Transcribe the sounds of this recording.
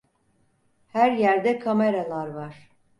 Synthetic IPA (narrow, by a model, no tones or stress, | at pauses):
hæɾjæɾd̪ɛkʰameɾalˠaɾvaɾ̥